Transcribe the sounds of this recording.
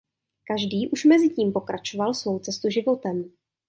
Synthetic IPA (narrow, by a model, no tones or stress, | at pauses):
kaʒdiːʔuʃmɛzɪciːmpo̞kɾʔat͡ʃo̞valsvo̞wt͡sɛst̪uʒɪvo̞t̪ɛm